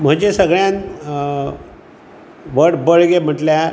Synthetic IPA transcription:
m̤əd͡ʑesəɡɭjãn | ʋəɽbəɭɡem̤əʈlja

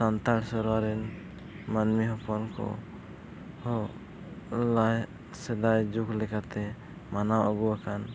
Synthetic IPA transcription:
sant̪aɽsɔɾwaɾɛn | manmiɦɔpɔnkɔ̰ | hɔ | laj | sɛd̪ajd͡ʒuklɛkat̪ɛ | manawɔɡuakʰan

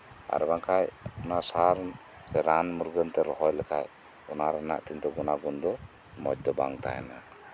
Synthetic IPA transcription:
a̰ɾbaŋkʰajunasaɾ | sɛɾanmuɾɡənt̪ɛɾɔhɔjlɛkʰaj | unaɾana̰ʔt̪int̪ɔɡunaɡund̪ɔ | mɔ̰d͡ʒ̚d̪ɔbaŋt̪a̰jɛ̰na

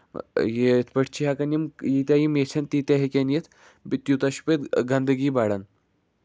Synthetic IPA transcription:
jet̪ʰpəʈʰt͡ɕʰiɦakɐnimjit̪ʲjajimesʰɐnt̪it̪ʲaɦekʲanjet̪ʰ | bit̪jut̪aɕu̥pet̪ɡand̪əɡiːbaɽan

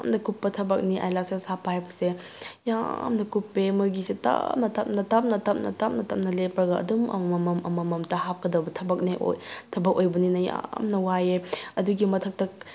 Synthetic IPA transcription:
mnɐkupːɐtʰɐbɐk̚niʔa̰jlak̚sesapajbɐse | ja̰mnɐkupːemɐɡisetɐ̰nɐtɐp̚nɐtap̚nɐtɐp̚nɐ̰tap̚nɐtɐp̚nɐlepɾɐɡɐɐ̰dumɐ̰ɐmɐmʔɐmɐmɐmtɐhap̚kɐdɐbɐtʰɐbɐk̚niʔo̰jtʰɐbɐk̚ojbɐninɐja̰mnɐwajeɐduɡimɐtʰɐk̚tɐk̚

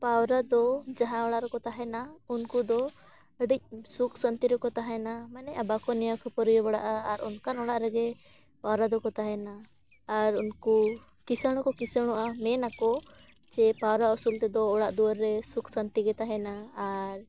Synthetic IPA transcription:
pawɾad̪ɔd͡ʒaɦãɔɽaʔɾɛkɔt̪aɦɛnaunkud̪ɔ | əɖic̚sukʰsənt̪iɾɛkɔt̪aɦɛnamanɛʔabakɔnɛjɔkʰɔpɔɾijɔbaɽa̰ʔaːɾɔnkanɔɽaʔɾɛɡɛ | pawɾad̪ɔkɔt̪aɦɛnaː | ɾunku | kisəɽ̃ɔkɔkisəɽ̃ɔʔamɛnakɔ | t͡ʃɛpawɾausult̪ɛd̪ɔːɽaʔd̪uwəɾːɛsuksənt̪iɡɛt̪aɦɛnaːɾ

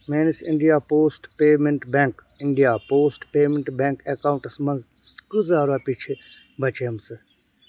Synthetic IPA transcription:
meːnisɪɳɖijaːpoːsʈpeːmẽɳʈbẽŋk | ɪɳɖijaːpoːsʈpeːmẽɳʈbẽːŋkekaːw̃ɳʈsmɐ̃nz | kɨzaːɾaːpit͡ʃʰi | bʱɐt͡ʃejəmsɨ

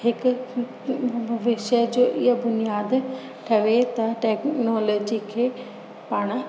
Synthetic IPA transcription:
hɪk | bʱɐʋɪʃəd͡ʑoːʔɪɦəbʊnijaːd̪ | ʈʰɐʋet̪ɐʈeːknɔːlɔːd͡ʑikʰeː | paːɽ̃

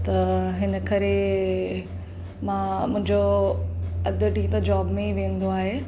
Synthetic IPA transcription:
t̪ɐɦɪnə̆kɐɾe | mãːmʊ̃ɦɪ̃ɲd͡ʑo | ɐd̪əʈit̪ɐd͡ʑaːbmẽiʋẽːn̆d̪oaːɦe

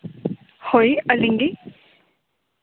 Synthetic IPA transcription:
hoiəlɪŋɡi

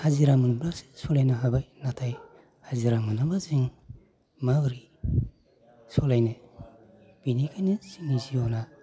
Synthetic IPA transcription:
haziɾamɯnublasi̥sɔlajnaɦabajnatʰaj | haziɾamɯnabaziŋ | mawɾi | sɔlajne | b̥inikʰajnisiniziɔna

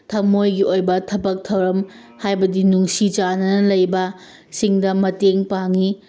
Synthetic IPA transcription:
tʰɐmojɡiʔojbɐtʰɐbɐk̚tʰɐwɾɐm | hajbɐdinuŋsit͡ʃanɐnɐlɐjbɐ | siŋdɐmɐteŋpaŋi

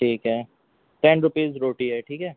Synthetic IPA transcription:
ʈʰiːkɦɛː | ʈɛ̃ːnɾʊpiːzɾoːʈiɦɛʈʰiːkɦɛː

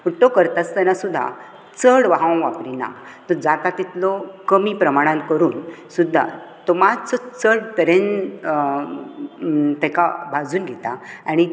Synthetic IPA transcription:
uʈːokəɾt̪at͡st̪ɛnasud̪ʱːa̰ | t͡səɽʋaɦãʋapɾina̰t̪ɔd͡zat̪at̪it̪lɔkəmipɾəmaɽ̃ãnkəɾuːnsud̪ʱːa̰t̪ɔmad͡zt͡sɔt͡səɽt̪əɾen | t̪ɛkabʱad͡zuːnɡʱɛt̪aaɽ̃i

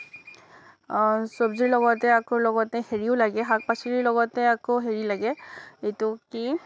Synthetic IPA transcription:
sɔbziɹlɔɡɔtɛakoɹlɔɡɔtɛheɹiʊlaɡɛɦak̚pasiɹiɹlɔɡɔtɛakoɦeɹilaɡɛejtʊki

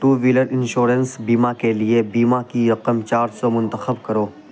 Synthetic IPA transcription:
t̪uːʋiːləɽɪ̃nʃuːɾənsbiːmakeliebiːmakiɾɐqəmt͡ʃaːɾsɔmʊ̃nt̪əxəbkɐɾoː

